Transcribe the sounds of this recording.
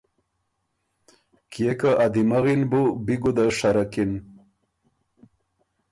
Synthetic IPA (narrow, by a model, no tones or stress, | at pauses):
kjekaʔad̪imaɣinbubiɡud̪aʂaɾakin